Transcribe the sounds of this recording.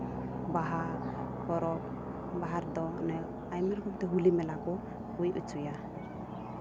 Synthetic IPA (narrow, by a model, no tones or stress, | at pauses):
baɦa | kɔɾɔk | baɦaɾd̪ɔnɛ | ajmɛɾkup̚t̪ɛɦulimɛlakɔ | kujʔṵt͡ʃuja